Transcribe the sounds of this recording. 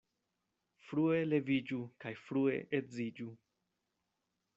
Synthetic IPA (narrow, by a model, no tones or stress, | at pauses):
fɾue̞le̞vid͡ʒukajfɾue̞̰ʔezid͡ʒu